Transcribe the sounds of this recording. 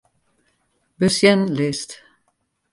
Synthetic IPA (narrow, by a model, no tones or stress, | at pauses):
bəsjɛnlest̪